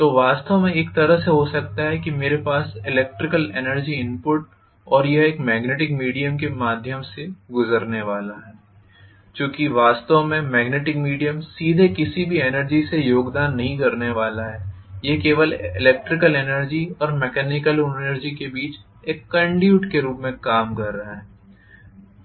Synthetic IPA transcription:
t̪oːʋaːst̪əʋmẽeːkt̪ɐɾəɦseɦosɐk̚t̪aɦɛkimeːɾepaːsɪlɛːk̚ʈɾɪkəlenəɾd͡ʒiɪ̃mpʊʈ | ɔːɾjɐɦeːkmɛːɡneːʈɪkmiːɖijəmkemaːd̪ʱjəmseɡʊzəɾneʋaːlaɦɛː | t͡ʃõːkiʋaːst̪əʋmẽmɛːɡneːʈɪkmiːɖijəmsiːd̪ʱekɪsibʱienəɾd͡ʒisejoːɡd̪aːnːɐɦĩkɐɾneʋaːlaɦɛː | jeɦkeːʋəlɪ̰lɛːk̚ʈɾɪkəlenəɾd͡ʒiɔːɾmɛkɛːnɪkəlnəɾd͡ʒikebiːt͡ʃ | eːkːɐ̃ɳɖjuːʈkeɾuːpmẽkaːmkɐɾːɐɦaɦɛː

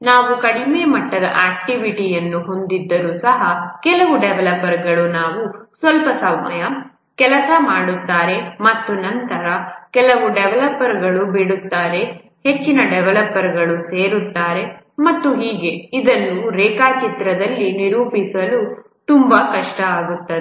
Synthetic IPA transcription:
naːʋukɐɽimeːmɐʈːɐd̪ɐ̰ʔaːk̚ʈiʋiʈijɐnːuɦo̞nd̪id̪ːɐɾuːsɐɦɐkɛlɐʋuɖɛʋɐlɐpːɐɾɡɐɭunaːʋusʋɐlpɐsɐmmɐjɐ | kɛlɐsɐmaːɽut̪ːaːɾe̞mɐt̪ːunɐnt̪ɐɾɐkɛlɐʋuɖɛʋɐlɐpːɐɾɡɐɭubiɽut̪ːaːɾe̞ | het͡ʃːinɐɖɛʋɐlɐpːɐɾɡɐɭuse̞ːɾut̪ːaːɾe̞ | mɐt̪ːuɦiːɡe̞id̪ɐnːuɾɛːkaːt͡ʃit̪ɾɐd̪ɐlːiniɾuːpisɐlu | t̪umbɐkɐʂʈɐaːɡut̪ːɐd̪

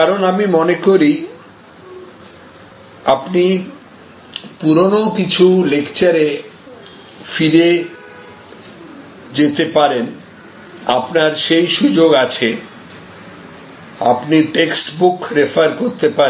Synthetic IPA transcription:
kaɾonamimonekoɾi | apni | puɾonokit͡ɕʰulekt͡ɕaɾe | fiɾe | d͡ʑet̪epaɾen | apnaɾʃejʃud͡ʑoɡat͡ɕʰe | a̰pniʈeksʈbukɾefʰaɾkoɾt̪epa

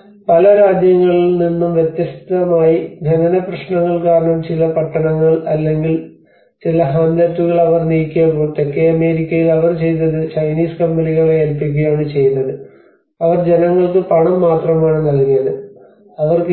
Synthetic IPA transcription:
pɐlɐɾaːd͡ʑjɐŋːɐɭininːumʋjet̪jɐst̪ɐmaːjib̪ʱenɐnɐprɐɕɳɐŋːɐɭkaːɾɐɳɐmt͡ɕilɐpɐʈːɐɳɐŋːɐɭɐlːe̞ŋɡil | t͡ɕilɐɦaːnd̪ɐt̪ːuɣɐɭɐʋɐrniːkʲːuɐpoːɭt̪ekːeɐme̞ːɾikʲːɐjilɐʋɐrt͡ɕe̞jnːɐðɨt͡ɕɐjniːskɐmbɐniɣɐɭeːlpik̬ʲːujaːɳɨt͡ɕe̞junːɐðɨ | ɐʋɐrd͡ʑe̞nɐŋːɐɭkɨpɐɳɐmːaːt̪rɐmaːɳɨnɐɣinːɐðɨ | ɐʋɐrk

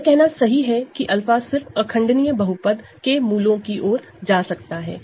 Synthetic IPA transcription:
kɛɦnasɐɦiɦɛkiʔɐlfaːsɪɾfɐkʰə̃ɳɖnijəbɐɦupəd̪kemuːlõkiʔoːɾ | d͡ʒaːsɐkt̪aɦɛ̰ː

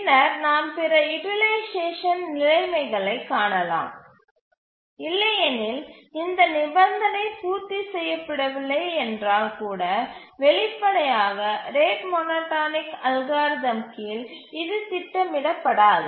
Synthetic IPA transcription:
pnɐɾnaːmpɪɾɐɪʈɪleːʂeːʂɐnnɪlɐɪmɐɪɣɐɭɐɪkːaːɳɐla̰ːm | ɪlːɐjɐnɪlɪnd̪ɐnɪbɐnd̪ɐnɐɪpuːɾt̪ːisɛjːɐpːɪɽɐʋɪlːɐɪɛndraːlkuːɽɐ | ʋɛɭɪpːɐɽɐjaːɣɐɾeːʈmɔnoːʈːaːnɪkɐlɣaːɾðɐmkil | ɪðɯt̪ɪʈːɐmɪɽɐpːɐɽaːðɯ

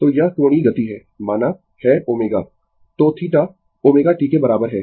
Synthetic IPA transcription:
t̪oːjɐɦkɾoːɽ̃iɡɐt̪iɦɛː | maːna | hɛːoːmeːɡaː | t̪oːt̪ʰiʈa | oːmeːɡaʈiːkebɐɾaːbəɾɦɛː

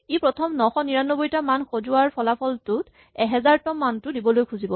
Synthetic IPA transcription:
ipɹɔtʰɔmnɔxɔniɹanːɔbojtamanxozuaɹpʰɔlapʰɔltʊt | ɛɦɛzaɹtɔmːantʊdibɔlojkʰuzibɔ

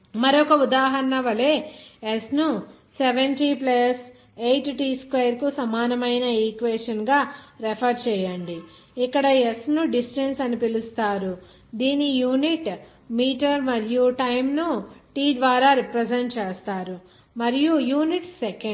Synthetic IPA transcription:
mɐɾɔkɐud̪aːɦɐɾɐnɐʋɐleːesnu | seʋenʈiplɐs | ejʈʈiːskʋɐjɐɾkusɐmaːnɐmɐjnɐiːkʋeːsʈɐnɡaːɾepʰɐɾt͡ʃɛːjɐɳɖi | ikːɐɽɐesnuɖisʈensɐnipilust̪aːɾu | d̪iːnijuːniʈ | miːʈɐɾmɐɾijuʈɐjmnuʈiːd̪ʋaːɾaːɾipɾɐd͡ʒeɳʈt͡ʃɛːst̪aːɾu | mɐɾijujuːniʈseke

